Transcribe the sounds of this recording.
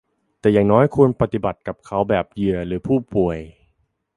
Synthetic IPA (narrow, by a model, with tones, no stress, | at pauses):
t̪ɛː˨˩jaː˨˩ŋnɔː˦˥jkʰu˧ənpa˧t̪i˨˩ba˨˩t̪̚ka˨˩p̚kʰa˦˥wbɛː˨˩p̚jɯ˨˩əɾɯː˩˦pʰuː˥˩pu˨˩əj